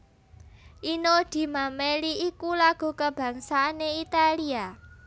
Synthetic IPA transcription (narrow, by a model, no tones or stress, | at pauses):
ʔinod̪̥i̤mameliikulaɡ̥ṳkəb̥ä̤ŋsaːneit̪alia